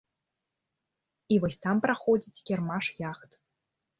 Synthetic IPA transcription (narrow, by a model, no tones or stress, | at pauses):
ivɔsʲt̪ampɾaxɔd͡zʲit͡sʲkʲɛrmaʂjaxt̪